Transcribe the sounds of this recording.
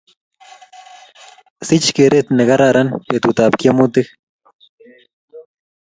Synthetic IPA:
sit͡ʃkeɾet̪neɣaɾaɾʔanpet̪ut̪ap̚kjamut̪ix

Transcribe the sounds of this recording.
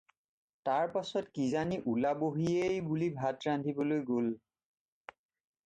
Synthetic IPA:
taɹpasɔtkizaniʔulaboɦiejbulibʱatɹandʱibɔlojɡol

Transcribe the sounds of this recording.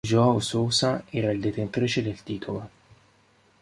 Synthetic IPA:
d͡ʒɔausoːsaɛːɾaild̪et̪ent̪ɾiːt͡ʃed̪elt̪iːt̪ʰolo

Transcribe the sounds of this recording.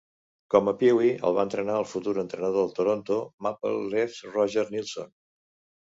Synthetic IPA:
kɔməpiwiə̰lˠβaənt̪ɾənaəlˠfut̪uɾənt̪ɾənəðoəlˠt̪oɾont̪omapə̰lːefrɔʒəɾnilˠso̰n

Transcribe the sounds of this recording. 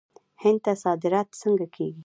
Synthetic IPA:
hɪnd̪̚t̪asɑd̪ɪɾɑt̪səŋɡakʰeɡi

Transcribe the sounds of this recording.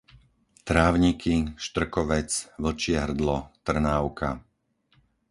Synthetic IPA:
t̪ɾaːʊɲikʰiʃt̪r̩kɔʋɛt͡sʋl̩t͡ʃɪɛɦr̩d̪lɔt̪r̩naʊkʰa̰

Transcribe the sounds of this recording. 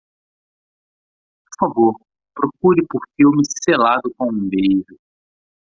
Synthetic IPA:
oɾfavoɾ | pɾokuɾɪpoɾfiwmɪselad̪ʊkõũbejɾʊ

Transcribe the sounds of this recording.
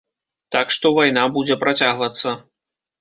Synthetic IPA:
t̪akʂt̪ɔvajnabud͡zʲɛpɾat͡sʲaɣvɐt̪sːɐ

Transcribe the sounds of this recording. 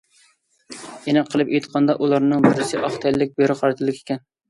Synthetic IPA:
jenɨqʰəlˠɨpejt̪qʰɑnd̪ɑʔulˠɑɾnɨŋbɪɾɪsɪʔɑχt̪ʰɛlːɪk̚ʲbøɾɨχɑɾɨt̪ʰɨlˠɪkʲʰe̥kʲʰɛn

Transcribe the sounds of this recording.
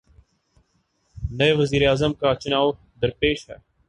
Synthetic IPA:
nəeːʋəziːɾeaːzəmkaːt͡ʃnaː | d̪əɾpeːʃɦɛ̰ː

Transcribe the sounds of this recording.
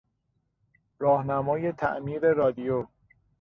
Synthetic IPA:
ɾɒːhnæmɒːje̞t̪ʰæ̰ʔmiːɾe̞ɾɒːd̪ijo

